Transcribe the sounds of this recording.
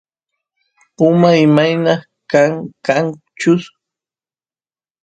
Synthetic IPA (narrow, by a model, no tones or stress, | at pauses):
ʊmaɪmajnɑχ | kaŋkaŋ | t͡ʃʊs